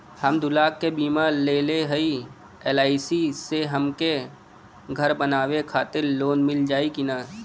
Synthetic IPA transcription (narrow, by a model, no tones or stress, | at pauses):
həmd̪ʊlaːkːebiːmaleːleɦəi | eːlaːisiseɦəmke | ɡʱəɾbənaːwekʰaːt̪ɪɾloːnmɪld͡ʒaːikɪnaː